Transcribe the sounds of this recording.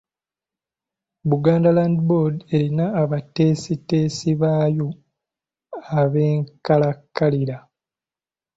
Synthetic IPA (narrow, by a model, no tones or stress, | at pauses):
βuɡaːndalandboɾde̞ɾinaːβate̞ːsite̞ːsiβaːjo | aβe̞ːŋkalakːaliɾa